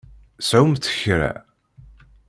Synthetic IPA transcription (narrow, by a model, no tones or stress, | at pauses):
sʕumθə̥çɾæ̰